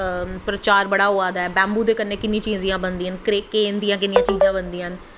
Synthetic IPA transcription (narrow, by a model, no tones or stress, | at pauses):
pɾət͡ʃaːɾbəɽaːɦoːaːd̪aːɛːbɛ̃ːmbuːd̪eːkənːeːkɪnːĩːt͡ʃiːzĩjãːbənd̪iːɦənkɾeːkːeːnd̪ijãːk̬ɪnɪjãːt͡ʃiːd͡ʒãːbənd̪iːən